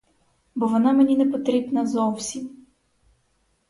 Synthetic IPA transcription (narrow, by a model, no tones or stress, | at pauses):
bɔʋɔnɑmenʲinɛpɔt̪ɾʲibnɐzɔwsʲim